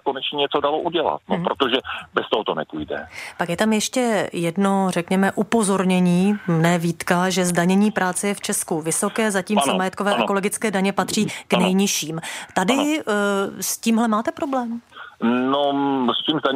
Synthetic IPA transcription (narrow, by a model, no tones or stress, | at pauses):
konɛt͡ʃɲɛɲɛt͡sodaloʔuɟɛla̰t̪̚nopɾot̪oʒɛbɛst̪oɦot̪onɛpujdɛ̰pakjɛt̪amjɛʃcɛjɛdno̞rɛkɲɛmɛʔupo̞zo̞ɾɲɛɲiːmnɛːviːt̪kaʒɛzdaɲɛɲiːpɾʔaːt͡sɛjɛft͡ʃɛskuvɪso̞kɛːzaciːmnmajɛt̪̚ko̞vɛːʔɛko̞lo̞ɡɪt͡skɛːdaɲɛpat̪r̝̥iːknɛjɲɪʃiːmt̪adɪ | sciːmɦlɛmaːt̪ɛpɾo̞blɛːm | nosciːmzdaɲ